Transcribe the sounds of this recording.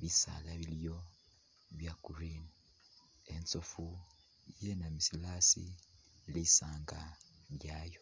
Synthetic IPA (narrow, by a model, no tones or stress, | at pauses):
βisa̰ːlaβiljo̞ | βjakuɾini | ent͡sofu | ijenamisilasḭliːsaːŋɡaβjaːjo